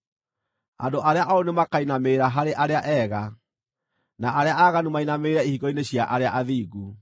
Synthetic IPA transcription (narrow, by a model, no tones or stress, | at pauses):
a̰ndoʔaɾeaʔaonemakainameːɾaɦaɾeʔaɾeaʔɛɣa | naʔːɾeaaɣanumainameːɾaihiɣɔineɕjaʔaɾeaʔaðiːɣu